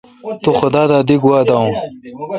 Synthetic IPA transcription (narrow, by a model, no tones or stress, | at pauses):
t̪uxʊd̪aːd̪aːd̪iɡuwaːd̪aw̃